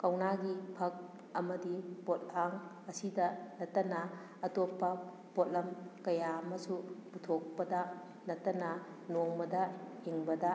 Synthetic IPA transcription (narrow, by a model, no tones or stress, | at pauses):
kɐwnaɡipʰɐk̚ | ɐmɐdipot̚aŋ | ɐsidɐnɐtːɐnɐ | ɐtopːɐ | pot̚lɐmkɐjamɐsuputʰok̚pɐdɐ | nɐtːɐnɐ | noŋbɐdɐhiŋbɐdɐ